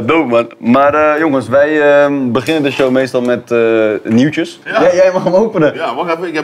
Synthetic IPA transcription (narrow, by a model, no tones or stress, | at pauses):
dowmanmaːrəjoŋənsʋɛjəbəχɪnəndəʃowmejstɑlˠmɛtəniwt͡ʃəsjɛjɛjmaχmowpənəɔɛkɛ